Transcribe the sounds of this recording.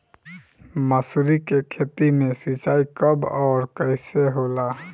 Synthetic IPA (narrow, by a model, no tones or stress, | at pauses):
məsuɾikekʰet̪imẽsit͡ʃaikəbɔːɾkəɪseɦola